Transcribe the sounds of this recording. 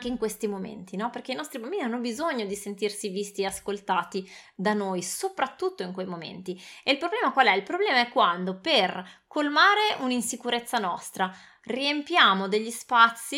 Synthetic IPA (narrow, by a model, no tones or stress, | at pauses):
ŋkeiŋkwest̪imomḛnt̪inɔperk̟einɔst̪ɾibambiːnianːobizoɲːod̪isent̪irsivist̪ieaskolt̪aːt̪id̪anojsopɾat̪ːut̪ːoiŋkwejmomḛnt̪ieilpɾoblɛːmakwalɛilpɾoblɛːmaɛkːwand̪operkolmaːɾeʔuninsikuɾet̪sːanɔ̰st̪ɾa | riempjaːmod̪eʎːispat̪sːi